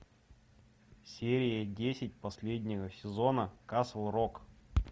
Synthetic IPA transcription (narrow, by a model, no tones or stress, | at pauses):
sʲeɾʲɪjədʲesʲɪt̚ʲpɐsʲlʲedʲnʲɪvəsʲɪzo̞nəkasəlˠrok